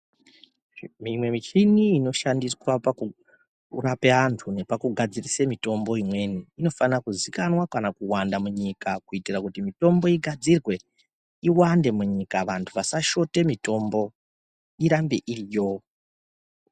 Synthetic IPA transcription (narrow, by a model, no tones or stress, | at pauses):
mimwe̞mit͡ʃiniːno̞ʃandiswapaku | rapeantʰune̞pakuɡʱad͡zirisemito̞mbo̞imwe̞niːno̞fanakuzikanwakanakuwandamuɲikakuitirakutimito̞mbo̞iɡʱad͡zirwe̞ | iwande̞muɲikaʋantʰuʋasaʃo̞te̞mito̞mbo̞ | iɾambeʔirijo